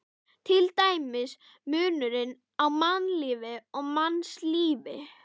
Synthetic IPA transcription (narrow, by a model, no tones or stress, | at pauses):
t̪ʰɪlt̪aːjmɪs | mʏːnʏɾɪn | awmannliːvɪɔɣmansliːvɪ